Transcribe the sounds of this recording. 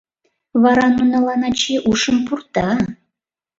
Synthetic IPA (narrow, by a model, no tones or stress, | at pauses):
vɑɾɑnunɑlˠɑnɑt͡ɕeʔuʃəmpurt̪ɑ